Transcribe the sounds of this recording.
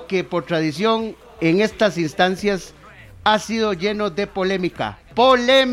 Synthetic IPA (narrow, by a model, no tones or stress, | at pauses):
kepoɾt̪ɾaðisjo̞ŋ | eŋe̞st̪asinst̪ansjas | asiðo̞ʝe̞no̞ðe̞po̞le̞mika̰ | polem